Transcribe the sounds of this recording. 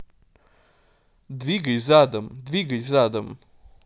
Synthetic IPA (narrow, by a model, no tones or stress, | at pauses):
d̪vʲiɡəjzad̪əmd̪vʲiɡəjzad̪əm